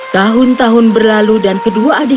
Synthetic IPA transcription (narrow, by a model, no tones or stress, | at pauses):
t̪aɦʊnt̪aɦʊnbərlaludankəduaːdi